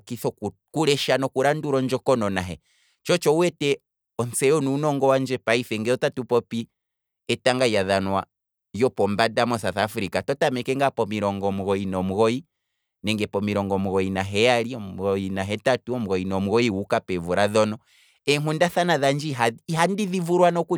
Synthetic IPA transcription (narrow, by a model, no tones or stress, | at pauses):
kiθɔ | kuɾɛʃanɔkuɾanduɾɔnd͡ʒɔkɔnɔnaɦɛ | t͡ʃɔt͡ʃɔuwɛtɛ | ɔnsɛɔnuːnɔŋɡɔwand͡ʒɛpaifɛŋɡɛɔtatupɔpi | ɛtaŋɡaijaðanwa | jɔpɔmbadamɔsaθafuɾikatɔtamɛkɛŋɡapɔmiɾɔŋɡɔmuɣɔinɔmuɣɔi | nɛŋɡɛpɔmiɾɔŋɡɔmuɣɔinaɦɛaɾiɔmuɣɔinaɦɛtatuɔm̩uɣɔinɔmuɣɔiukapɛvuɾaðɔnɔ | ɛŋundaθanaðand͡ʒiɦaɦandiðivuɾwanɔku